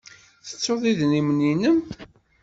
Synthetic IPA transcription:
θə̥t͡sːoðˤiðnimninəm

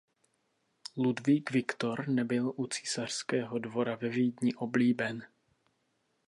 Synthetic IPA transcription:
ludviːkvɪkt̪o̞ɾnɛbɪlʔut͡si̥sar̥skɛːɦo̞dvo̞ɾavɛviːd̪ɲɪʔo̞bliːbɛn

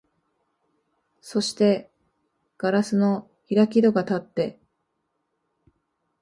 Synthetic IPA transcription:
so̞ɕi̥t̪e̞ | ɡ̥aɾasɨno̞ | çiɾakʲid̪o̞ɡat̪at̪ːe̞

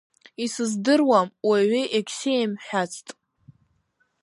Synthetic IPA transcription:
isɨzdɨrwamwaʕiʔekʲʰsejmħʷᶣat͡sʰtʼ

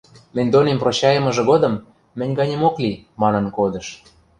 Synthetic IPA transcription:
mɘ̆nʲd̪onemproɕɑjə̆mɤ̆ʒɤ̆ɣod̪ɤ̆mː | ɘ̆nʲɡɑnʲĕmoklimɑnɤ̆nkod̪ɤ̆ʃ

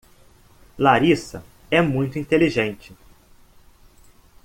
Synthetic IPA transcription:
laɾisɐ̰ | ɛmũj̃t̪ʊĩnt̪eliʒẽnt͡ʃɪ

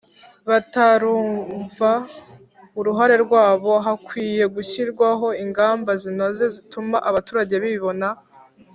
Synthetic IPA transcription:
βataɾuːɱɱva | uɾuɦaɾe̞ɾɡwaːβo̞ɦakwiːje̞ɡuçiɾɡwaɦo̞iŋɡaːmbazinoze̞zitumaʔaβatuːɾaɟe̞βiβo̞na

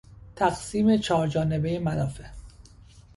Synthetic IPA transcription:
t̪ʰæɡsiːme̞t͡ʃʰɒːɾd͡ʒɒːne̞be̞jemælɒːfe

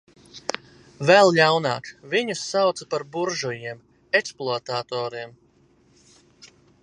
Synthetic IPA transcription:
vɛlˠʎawnaːkviɲusːawt̪sapaɾbuɾʒujiɛm | eksplˠuat̪aːt̪ɔːɾiɛm

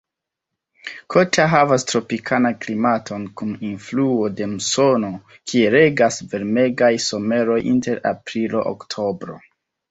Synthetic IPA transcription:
kʰo̞taɦavastɾo̞pikʰanaklimatʰo̞nkuninfluo̞de̞muso̞no̞ | kʰieɾe̞ɡasve̞ɾme̞ɡajso̞me̞ɾo̞jʔḭnte̞ɾa̰pɾilo̞ʔo̰ktʰo̞bɾo̞̰

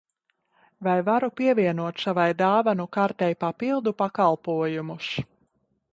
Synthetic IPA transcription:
vajvaɾupiɛvʲiɛnuɔt̪savajd̪aːvanukaɾt̪ɛjpapilˠd̪upakalˠpuɔjumus

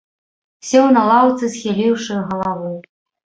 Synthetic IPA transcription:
wsʲɛwnɐlˠawt̪sɨsʲxʲilʲiwʂɨɣɐlˠavɨ

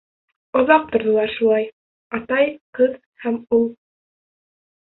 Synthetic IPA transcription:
ŏðɑq̚t̪ŏɾðŏlˠɑɾʃulˠɑj | ɑt̪ɑjqɤð | hæmulˠ

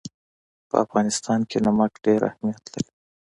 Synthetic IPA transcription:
pə̰afɣɑnɪst̪ɑnkʰenamakɖeɾa̰hmijat̪laɾi

